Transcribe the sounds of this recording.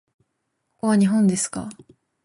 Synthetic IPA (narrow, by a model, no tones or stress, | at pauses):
oβaɲ̟iɦõ̞nd̪e̞sɨ̥ka̰